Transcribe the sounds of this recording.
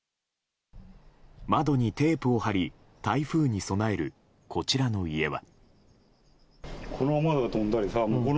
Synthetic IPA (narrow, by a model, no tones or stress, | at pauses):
mad̪o̞ɲ̟it̪e̞ːpɯ̟o̞haɾʲi | t̪aiɸɯ̟ːɲ̟iso̞nae̞ɾɯ̟̰ | kʰo̞t͡ɕiɾano̞ie̞βa̰ | kʰonoamad̪oɡat̪õnd̪aɾʲisamokon